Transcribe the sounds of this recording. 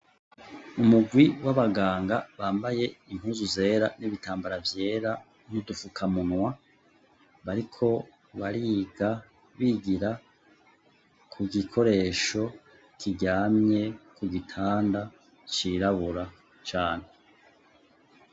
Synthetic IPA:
umuɡwiwaβaɡaːŋɡaβaːmbaje̞im̥huːzuze̞ːɾaniβitaːmbaɾavje̞ːɾa | nudufukʰamunŋwa | βaɾikʰo̞ | βaɾiːɡa | βiːɡiɾa | kʰuɡikʰo̞ɾe̞ːʃo̞ | kʰiɟaːmɲe̞kuɡitʰaːnda | t͡ʃiɾaβuɾa | t͡ʃaːn̥e̞

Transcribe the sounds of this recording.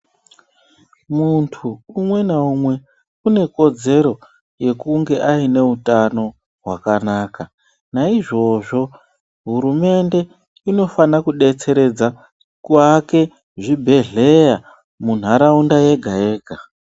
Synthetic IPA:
muntʰuːmwe̞naumwe̞ | une̞ko̞d͡ze̞ɾo̞ | je̞kuŋɡe̞ʔaine̞utano̞ | ɦwakanaːka | naiʐo̞ʐo̞ | ɦuɾume̞nde̞ | ino̞fanakuɗe̞t͡se̞ɾe̞d͡za | kuake̞ | ʐibʱe̞ɮe̞ja | mun̤aɾaundaje̞ɡʱaje̞ːɡʱa

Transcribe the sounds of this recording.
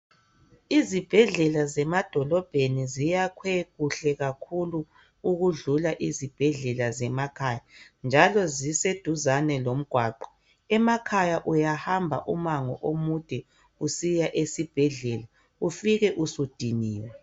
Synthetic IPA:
izib̥ʱɛɮɛlazɛmad̥ʱɔlɔb̥ʱenizijakʰwɛɣuɬɛɣakʰulu | uɣuɮulaʔizib̥ʱɛɮɛlazɛmakʰaːja | nd͡ʒʱalɔzised̥ʱuzanɛlom̩ɡ̥ʱwaːǃɔ̥ | ɛmakʰajaʔujahambʱa̰ʔumaŋɔ̰ʔomud̥ʱɛ | usijaʔesib̥ʱɛɮɛla | ufiɣɛʔusud̥ʱiniːwɛ

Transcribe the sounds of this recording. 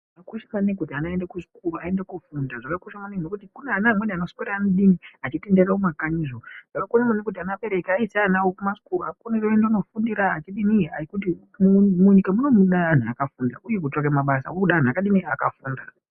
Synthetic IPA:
ʐʐakakuʃamanekutianaendakuʐi̥kuruaendekufundaʐakakuʃamanenokutikuneanaːmweneano̞skoɾaaneɗiniat͡ʃitenderaomakaɲizoʐ̥akakonamanek̬ut̬ianape̞ɾekaisanawokumaʂi̥kuruakonereoendeono̞fundiɾaːt͡ʃiɗinia̰ikuti | muɲikamuno̞muɗaːn̤aa̰kafunda̰ʔuje̞k̬utakemaɓasa̰wokuɗaːn̤akaɗinia̰ka̰fuːnda̰

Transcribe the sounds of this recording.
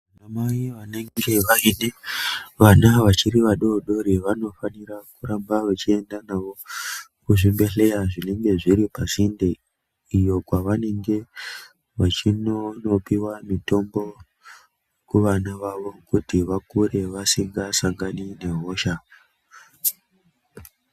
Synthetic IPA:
namaiʋane̞ŋɡe̞ʋaineʋanaʋat͡ʃiɾiʋaɗo̞ɗo̞ɾiʋano̞faniɾakuɾambaʋat͡ʃie̞ndanaʋo̞ | kuʐimbe̞ɬe̞jaʐine̞ŋɡe̞ʐiɾipazinde | ijo̞kwaʋane̞ŋɡe̞ | ʋat͡ʃinono̞piwamito̞mbo̞ | kuʋanaʋaʋo̞kutiʋakuɾe̞ʋasiŋɡasaŋɡanine̞ɦo̞ʃa

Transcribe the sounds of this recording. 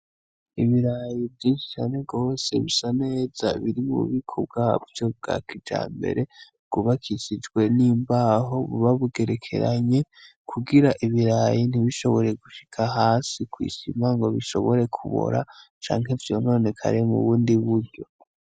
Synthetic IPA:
iβiɾajivjiːnʃi̥t͡ʃaːne̞ɡo̞ːse̞βisane̞za̰βiɾimṵβikʰob̚ɡavjo̞b̚ɡa̰kid͡ʒa̰ːmbe̞̰ɾe̞ | ɡ̥uβakʰizid͡ʒɡwe̞niːmbaːɦo̞βuβaβuɡe̞ɾe̞kʰe̞̰ɾaɲe̞ | kʰuɡiɾaʔiβiɾajin̥iβiʃo̞βo̞ɾe̞ɡuʃi̥kʰaɦaːsikwḭːsimaŋɡo̞βiʃo̞̰βo̞ɾe̞kʰuβo̰ɾa̰t͡ʃa̰ːŋɦevjo̞no̞ːne̞kʰa̰ɾemṵβuːndiβuɾɟo̞̰

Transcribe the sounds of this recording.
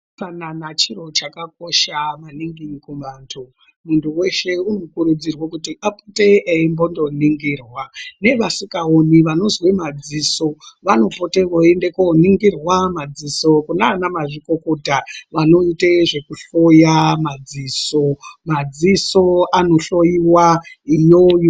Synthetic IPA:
kananat͡ʃiɾo̞t͡ʃakak̚oʃamaniŋɡikumaːntʰo | muntʰuwe̞ʃe̞unokuɾud͡zirwakutiʔapute̞eimbo̞ndo̞niŋɡiːrwane̞ʋasikaoniʋano̞zwemad͡ziːso̞ʋano̞po̞teʋoende̞koniŋɡirwamad͡ziso̞kunaːnamaʐikokotaʋano̞iteʐe̞kuɬojamad͡ziːsomad͡ziso̞ano̞ɬo̞jiwaijojo

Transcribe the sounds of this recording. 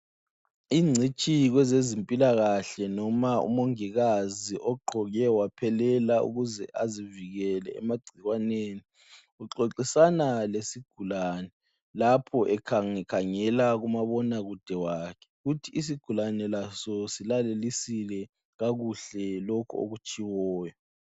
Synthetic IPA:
iːŋ͡ǀʱit͡ʃʼiɣwɛzezimpʼilaɣaɬɛnɔmaṵmoŋiɣaziʔɔɡ͡ǃʱɔɣɛwapʰɛlɛlaṵɣuzɛʔaziviɣɛlɛɛmaɡ͡ǀʱiɣwaneːni | uǃoǁisanalesiɡ̥ʱulaːnɛ | lapʰɔʔɛkʰaŋɛkʰaŋɛlaɣumaβɔnaɣud̥ʱɛwakʰɛ̥ɣutʰiis̬iɡ̥ʱulanɛlasɔsilalelisilɛ | ɣaɣuɬɛlokʰuo̰ɣut͡ʃʼiwɔːjɔ

